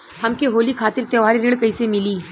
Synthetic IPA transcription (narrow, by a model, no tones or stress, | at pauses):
hɐmkeɦoːlikʰaːt̪ɪɾt̪ɐʋaːɾiɾeːɭkɐisemɪliː